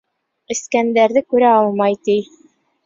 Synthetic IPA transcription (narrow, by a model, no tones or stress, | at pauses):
ɘ̆skænd̪æɾðɘkʉɾæɑlˠmɑjt̪ij